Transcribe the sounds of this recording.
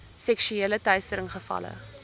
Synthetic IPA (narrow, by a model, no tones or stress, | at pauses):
sɛkʃyeːlətœɥstəɾəŋχəfɐ̰lə̰